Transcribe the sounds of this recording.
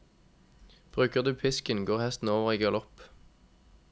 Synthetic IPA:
b̥ʁʉːkəʁd̪ʉːpʰɪskənɡoːʁhɛst̪n̩oːʋəʁiːɡøːʁlɔp

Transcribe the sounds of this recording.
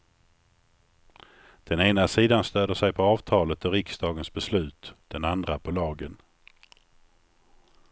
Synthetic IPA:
d̪̥ɛneːnasiːd̪anst̪øːd̪əʂɛjpʰɔɑːvt̪ʰɑːlət̪ɔɾɪksd̪ɑːɡənsbɛslʉ̟ːt̪d̪̥ɛnand̪ɾapʰɔlɑːɡən

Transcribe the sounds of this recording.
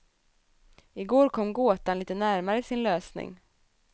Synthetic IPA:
ɪɡoːɾkʰɔmːɡoːt̪anliːt̪ənæɾmaɾəɪsɪnløːsnɪ̰ŋ

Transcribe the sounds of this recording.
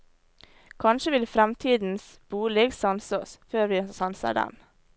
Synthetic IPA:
kʰɑnʃəʋɪlfɾɛmt̪ʰiːd̪n̩s | b̥uːlɛɡsɑnsəɔsføːɾʋiːsɑnsə̰ɖɛ̰m

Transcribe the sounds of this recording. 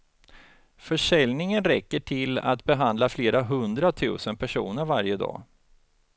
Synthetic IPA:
fœʂɛlnɪŋənɾɛkːəʈʰɪla̰t̪bɛɦand̪lafleːɾaɦɵnd̪ɾat̪ʰʉ̟̰ːsənpʰæʂṵːnəɾvaɾjəd̪ɑ̰ː

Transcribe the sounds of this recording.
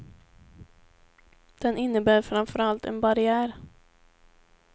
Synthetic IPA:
d̪̥ɛnʔɪnːəbæːɾfɾamfœɾalt̪ɛ̰nbaɾɪæːɾ

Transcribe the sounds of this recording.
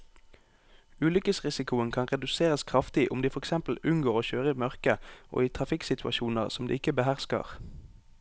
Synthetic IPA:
ʉːlʏkəsʁɪsɪkʊənkʰɑnʁɛd̪ʉseːʁəskʰʁɑft̪ɪʔʊmd̪iːfɔʁɛksɛmpl̩ʉnɡoːʁoːçøːʁəiːmœʁkəʔo̰ːiːt̪ʰʁɑfɪksɪt̪ʰʉɑ̰ʃuːnəʁsɔmd̪ḭːɪkəbəhæʁskə̰ʁ

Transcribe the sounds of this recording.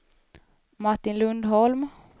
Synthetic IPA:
maʈːɪnlɵnd̪ɦɔlm

